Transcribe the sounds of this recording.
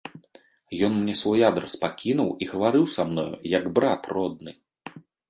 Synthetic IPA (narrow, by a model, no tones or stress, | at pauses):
jɔnmnʲɛsvɔjad̪ɾɐspakʲinuwiɣɐvaɾɨwsamnɔjṵjɐɡbɾat̪rɔd̪̚nɨ